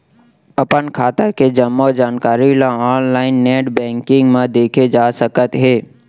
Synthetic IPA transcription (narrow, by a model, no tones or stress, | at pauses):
ɐpənkʰaːt̪aked͡ʒəmːod͡ʒaːnkaːɾilãaːnlaːɪnːeːʈbɛ̃ːŋkɪ̃ŋɡmãd̪eːkʰed͡ʒaːsəkət̪ɦeː